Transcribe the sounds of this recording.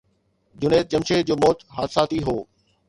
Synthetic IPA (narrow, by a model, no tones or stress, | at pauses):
d͡ʑʊneːt̪̚t͡ɕɐmɕed͡ʑoːmɔːt̪ɦaːt̪saːt̪iɦoː